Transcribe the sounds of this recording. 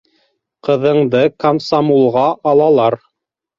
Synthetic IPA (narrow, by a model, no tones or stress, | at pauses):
qɤ̆ðɤ̆ɴd̪ɤkɐmsamulˠʁɑʔɑlˠɑlˠɑɾ